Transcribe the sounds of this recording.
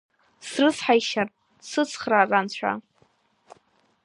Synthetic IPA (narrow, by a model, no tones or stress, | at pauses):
srɨsħajʃar | sɨt͡sʰχrarant͡ɕʷʰa̰